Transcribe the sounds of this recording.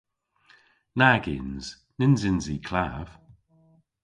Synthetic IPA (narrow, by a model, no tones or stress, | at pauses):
naɡɪ̰ːnz̥ | nɪnzɪnziːkʰlaːv̥